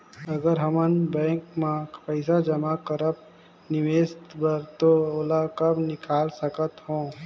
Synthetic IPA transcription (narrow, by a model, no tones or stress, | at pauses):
əɡəɾɦəmənbɛ̃ːŋkmãpəɪsad͡ʒəmakəɾəp̚ | nɪʋeːst̪bəɾt̪ooːlakəbnɪkʰaːlsəkət̪ɦõː